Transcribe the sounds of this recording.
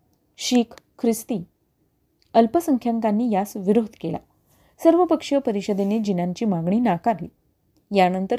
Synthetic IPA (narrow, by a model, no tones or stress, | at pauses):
ɕiːkkʰːɾist̪iː | əlpəsəŋkʰjaŋkanːiːjasʋiɾod̪ʱkela̰ | səɾʋəpəkʂəpəɾiɕəd̪ened͡ʑinaɲt͡ɕiːmaɡɳiːnakaɾli | janənt̪ə